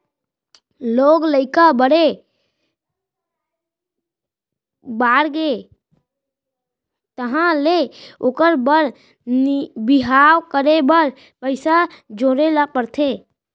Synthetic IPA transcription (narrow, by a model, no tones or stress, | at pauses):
loɡləɪkabəɽe | baɾɡe | t̪əɦãleokəɾbəɾ | nbiɦawkəɾebəɾ | pəɪsad͡ʒoɾelapəɾt̪ʰe